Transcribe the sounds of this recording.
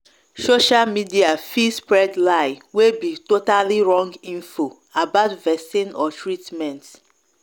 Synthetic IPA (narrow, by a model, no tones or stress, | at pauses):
soʃalmidiafispɹɛdlaɪwebitotaliɹɔ̃ŋɡĩnfo | abaʊtvɛsĩnɔtʰɹitmɛ̃nt